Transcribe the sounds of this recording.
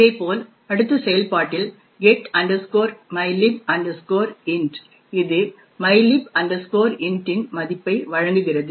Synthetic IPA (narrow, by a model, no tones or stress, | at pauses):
ɪðɐɪpːoːl | ɐɽɯt̪ːɐsɛjɐlpaːʈːɪl | ɡɛʈɐɳɖɐskoːɾmɐɪlɪp̚ɐɳɖskoːɾɪnɖ | ɪðɯ | mɐɪlɪpɐɳɖɐskoːɾɪnʈːɪnmɐðɪpːɐɪʋɐɻɐŋɡɯɣɪrɐðɯ